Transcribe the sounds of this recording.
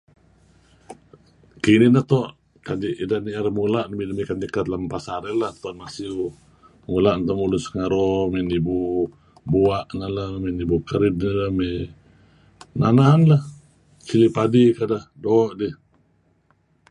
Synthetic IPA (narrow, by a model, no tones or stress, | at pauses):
kininaht̪ɔʔ | kadiʔidaniaɾamulaʔnamidəmikand̪ikat̪lampasaɾɛlaht̪uanmasiu | mulaʔnt̪ɔmulusəŋaɾɔmɛnibu | buaʔnalamenibukəɾid̚nalamɛ | nananlah | t͡ʃilipadikadahdoʔdih